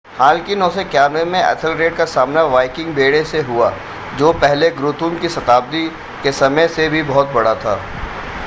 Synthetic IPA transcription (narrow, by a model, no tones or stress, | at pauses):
haːlkinõːsekjaːmɾemẽʔɐ̰tʰəlɾeːʈkasaːmnaʋaːɪkɪ̃ŋɡbeːɽeseɦua | d͡ʒoːpɛɦleɡɾut̪uːmkisɐt̪aːb̚d̪i | kesɐməjsebʱibɔɦʊt̪̚bɐɽat̪ʰa̰ː